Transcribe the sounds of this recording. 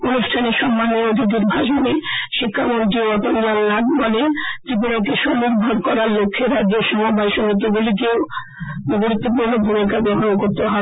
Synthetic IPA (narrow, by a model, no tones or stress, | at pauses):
onuʃʈʰaneʃɔmːanːeɾod̪ʱid̪̬iɾbʱaʃoneʃikʰːamoɳʈ̪ioɔt̪ond͡ʑallaɡbɔlet̪ɾip̬unok̬eʃoniɾbʱoɾkɔɾaɾlokʰːeɾaɡeʃɔmobʱajʃonok̪̬ibulik̬ew | ɡoɾut̪ːopuɾnobʱumikabɔɦokoɾt̪eɦɔ